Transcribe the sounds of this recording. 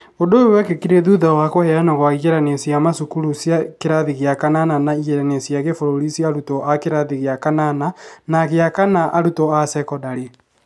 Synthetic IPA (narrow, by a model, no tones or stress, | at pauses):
odoewɛkekiɾeðuðawakohɛanaɣwaiɣɛɾanesiamasukuɾusjakeɾaðiɣeakanananaiɣɛɾanesiaɣefoɾoɾisiaɾutɔʔakeɾaðiɣeakanananaɣeakanaʔaɾutɔasɛkɔdaɾe